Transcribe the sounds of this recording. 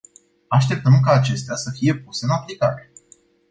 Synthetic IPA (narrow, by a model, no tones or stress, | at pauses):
aʃt̪e̞p̚t̪əmkaːt͡ʃe̞st̪easəfije̞puse̞ɨnaplika̰ɾe̞